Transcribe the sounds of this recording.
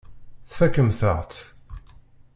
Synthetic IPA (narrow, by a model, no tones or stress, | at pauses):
θfækəmθə̰ʁt͡s̪